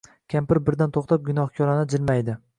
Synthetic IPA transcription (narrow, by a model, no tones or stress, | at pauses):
kʲʰampɪɾbɪɾd̪ant̪ʰoχt̪ʰap̚ɡʲʊnɒhkʲʰɒɾanɪd͡ʒɪlmajd̪ɪ